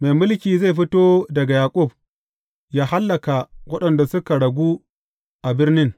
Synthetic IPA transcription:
me˨jmʊ˦lkʲiː˨za˦˨jɸ̬ɪ˦toː˦dɐ˨ɡa˨jaː˨kʷʼʊ˦˨b̚ | jaː˦ha˦lːɐ˨ka˨wɐ˦ɗɐ˨nda˨sʊ˦ka˨ɽɐ˨ɡʷuː˦ | ʔa˨bɪ˦rnɪ˦ŋ

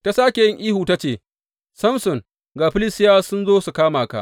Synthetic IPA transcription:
ta˦saː˦kʲe˨jɪ˦ŋʔiː˦huː˨ta˦t͡ʃeː˨ | sɐ˦msʊ˨ŋ | ɡaː˨ɸɪ˦lɪ˦sɪ˦jaː˦sʊ˦nzoː˦su˨kaː˦maː˨ka̰˦ʔ

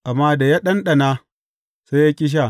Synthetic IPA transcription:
ʔa˨mːaː˦da˨ja˦ɗɐ˦nɗɐ˨naː˦ | se˦ja˦kʲʼɪ˦ʃ̬a˦˨

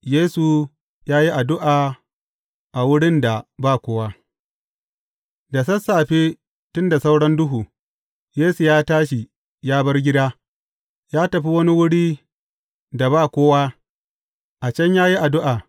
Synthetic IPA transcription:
jeː˦su˨ | jaː˦ji˦ʔa˨dʊ˦ʔaː˨ | ʔa˨wʊ˦ɽɪ˦nda˨baː˦˨kʷoː˦wa˦ | da˨sɐ˦sːaː˨ɸeː˦ | tʊ˦nda˨sa˦wɽɐ˦ndʊ˦ɦuː˨ | jeː˦su˨jaː˦taː˦ʃi˨ | jaː˦bɐ˦rɡʲɪ˦daː˦ | jaː˦tɐ˨ɸi˦wɐ˦ni˦wʊ˦ɽiː˦ | da˨baː˦˨kʷoː˦waː˦ | ʔa˨t͡ʃɐ˦ɲjaː˦ji˦ʔa˨dʊ˦ʔaː˨

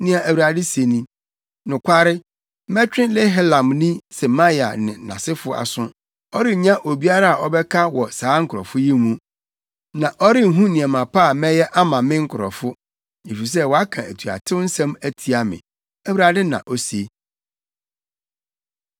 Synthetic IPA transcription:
nɪ̃˦a˨ʔæ˨wu˨ɾa˨dɪ˦se˨nĩ˦ | nʊ̃˨kʷʰa˦ɾɪ˦ | mɛ˦t͡ɕᶣɪ̃˦lɛ˦ɦɛ˦lã˨mnĩ˦sɛ˨mã˦ja˨nɪ̃˨nã̰˨sɪ˦fʊ˦a̰˨sʊ̃˦ | ɔ˦ɾɪ˦˨ɲã˦ʔo˨bi˦a˦ɾa˦a˨ʔɔ˦bɛ˦kʰa˦wɔ˨saː˨˦ŋ̩˦kʰʊ˨ɔ̰˨fʊ˦jɛ˦mũ˦ | nã˨ʔɔ˦ɾɪ˦˨ɦũ˦nɪ̃˨ɛ̃˨mã˨pʰa˦a˨mɛ˦jɛ˦ʔa˦mã˨mɪ̃˦ŋ̩˦kʰʊ˨ɾɔ̰˨fʊ˦ | e˨fi˨s̬ɛ˦˨wɔ˨a˦kʰã˨æ˨tʰu˨a̰˨tʰɪ˦wn̩˦sɛ̃˦mæ˦tʰi˨a˨mɪ̰̃˨ | æ˨wɾa˨dɪ˦nã̰˨ʔɔ˦se˦

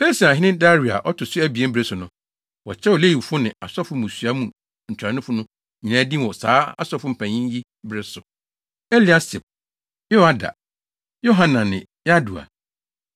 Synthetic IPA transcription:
be˦lsi˨a˨ɦɪ˦nɪ̃˦n˦da˦ɾi˨a̰˨ʔɔ˦tʰʊ˨sʊ˦æ˦bi˨e˦m̩˦bɾe˦sʊ˨nʊ̃˨ | wɔ̰˨t͡ɕʰɛ˦wɔ˨le˦ji˨fʊ˦nɪ̃˨a˨sɔ˦fʊ˦mũ˨sɥa˦mũ˨ | ɲ̩˨t͡ɕʰᶣɾa˨nʊ̃˦fʊ˦nʊ̃˦ | ɲĩ˨nãː˨˦dĩ˦˨wɔ˨saː˨˦a˦sɔ˦fʊ̃˦m̩˨pʰæ̃˨ɲĩ˦ji˦ | bɾɪ˦sʊ˨ | ɛ˦li˨a˦sɪ˨p̚ | jo˦a˦da̰˨ | jo˦ɦã˨nã˨nɪ̃˨ | ja˦du˨a̰˨

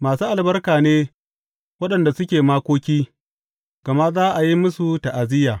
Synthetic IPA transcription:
maː˨suː˦ʔa˨lbɐ˦rkaː˨neː˦ | wɐ˦ɗɐ˨nda˨sʊ˦kʲeː˨maː˦kʷoː˦kʲiː˦ | ɡ̥ɐ˨ma˦ʔzaː˦ʔa˨ji˦mʊ˦su˨ta˨ʔa˨zɪ˦jaː˨

